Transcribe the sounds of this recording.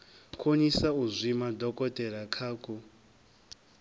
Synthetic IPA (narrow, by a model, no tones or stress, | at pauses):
kʰoɲisauzʷimadʱɔkʼɔtʼɛɾakʰaːkʼu